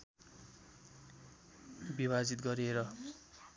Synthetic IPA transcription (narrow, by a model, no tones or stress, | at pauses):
biβad͡zit̪̚ɡʌɾeɾʌ